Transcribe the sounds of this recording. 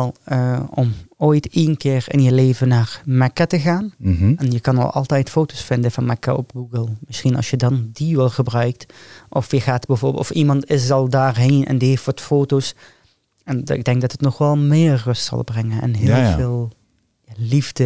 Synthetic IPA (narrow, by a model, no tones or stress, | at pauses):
ɛlˠəɔmoːjtinkɪːrɪ̰njəleːvənaːrmɛkatəɣaːn̩ɛnjəkɑnɑ̰lˠɑ̰lˠtɛjtfoːtosfɪndəvɑnmɛkaʔɔpɡuɡəlˠmɪsxinɑ̰lˠsjədɑndiʋɛlˠɣəbrœɥk̚tʔɔfjəχaːtbəvʊːbɔfimɑntɪs̬ɑlˠdaːrɦeːnʔɛ̰ndiɦeftʋɑtfoːtos | ɛnɪ̰ɡ̚dɛŋkɡ̚dɑtətnɔχʋɛlˠmɪːrːɵstsɑ̰lˠbrɛŋənɛ̰nɦɪːlˠvɪːlˠ | jalivdə